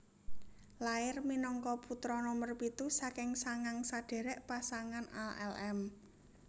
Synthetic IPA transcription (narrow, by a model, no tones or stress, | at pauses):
laɪrminɔŋkɔput̪ɾɔnɔmərpit̪usakɪŋsaŋaŋsaɖ̥e̤ɾɛʔpasaŋana̰lʔɛ̰lɛm